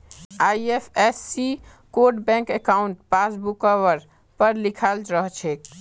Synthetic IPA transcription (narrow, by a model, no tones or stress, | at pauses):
ajepʰesːi | koɾʈbɛ̃ŋkekauɳʈpasbukɔʋəɾ | pəɾlikʰald͡ʒɾəɦt͡ʃʰek